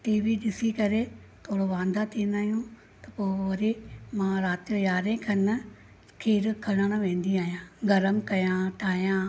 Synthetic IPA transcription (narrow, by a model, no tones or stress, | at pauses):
ʈiːʋiɗɪsikɐɾe | t̪ʰoːɽoʋãːnd̪at̪ʰiːnaːɦjũ | t̪ɐ̥poːʋɐɾimãːɾaːt̪ijojaːɾẽkʰɐn | kʰiːɾkʰɐɽəɽ̃ʋẽːn̆d̪iaːɦijãːɡɐɾəmkɐjãːʈʰaːjãː